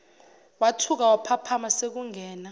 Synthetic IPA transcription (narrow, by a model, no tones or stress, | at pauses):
watʰuk̬awapʰapʰamasek̬uŋɛːna